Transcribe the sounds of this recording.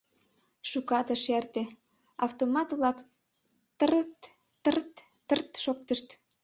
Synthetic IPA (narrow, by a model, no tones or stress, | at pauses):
ʃukɑt̪əʃært̪e | ɑft̪omɑt̪βlɑk | t̪ərt̪ː | ərt̪ː | ərt̪ʃok̚t̪əʃt̪